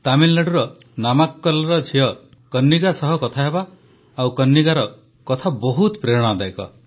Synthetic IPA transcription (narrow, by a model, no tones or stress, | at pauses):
t̪amillaɽuɾɔ | namakːɔlɔɾɔd͡ʒʰʱiɔ | kɔnːiɡasɔɦɔkɔt̪ʰaɦebaː | wkɔnːiɡaɾɔ | kɔt̪ʰabɔɦut̪pɾeɽ̃ɔ̃ad̪ajkɔ̰